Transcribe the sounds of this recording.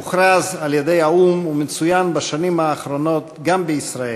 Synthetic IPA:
uχɾazaljed̪ejaumumet͡sujanbaʃanimaːχɾonot̪ɡambəisɾae

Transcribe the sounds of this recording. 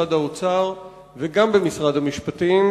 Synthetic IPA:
ad̪haot͡saʁ | veɡambe̞misʁadhamiʃpat̪im

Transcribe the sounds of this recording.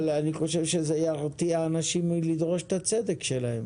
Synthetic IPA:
laniχo̞ʃevʃezeajaʁt̪iaːnaʃimlid̪ʁo̞ʃe̥t̪at͡sedekʃelahe̞m

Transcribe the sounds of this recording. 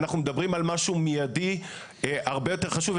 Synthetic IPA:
naχnumedabʁimalmaʃumijadi | ʔaʁbejo̞teχaʃuv

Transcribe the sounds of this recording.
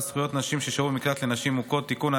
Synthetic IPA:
sχujo̞t̪naʃimʃeʃaumiklat̪lenaʃimukot̪ːikuna

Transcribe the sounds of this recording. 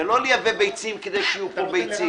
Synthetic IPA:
elo̞lijavebejt͡simked̪ejʃijupobejt͡si

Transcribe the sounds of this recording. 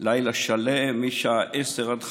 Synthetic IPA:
lajlaʃalemiʃaʔeseʁad̪χ

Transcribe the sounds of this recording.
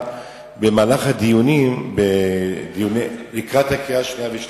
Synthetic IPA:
bemaːlaχhad̪ijunimbedijunelikʁat̪hakeaʃniaveʃ

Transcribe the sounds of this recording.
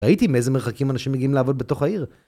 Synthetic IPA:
ait̪imiezemeχakimanaʃimːeɡiimleavo̞d̪̚beto̞χaiʁ

